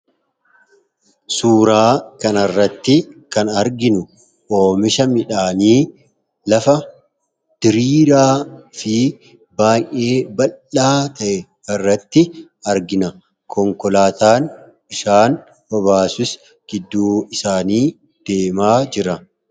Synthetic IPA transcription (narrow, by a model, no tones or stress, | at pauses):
suːɾaːkɐnɐrːɐt̪ːɪkɐnɐɾɡɪnʊ | ʔo̞ːmɪʃɐmɪᶑaːniː | lɐfɐ | d̪̥ɪɾiːɾaːfɪ | baːjʔʔe̞ːbɐlaːt̪ʰɐʔɛ | ɐrːɐt̪ːɪ | ɐɾɡɪnɐ | kʰɔŋkɔlaːt̪aːn | ɪʃaːn | bɐbaːsʊs | ɡ̥ɪd̪ːuːɪsaːniː | d̪̥e̞ːmaːd͡ʒɪɾɐ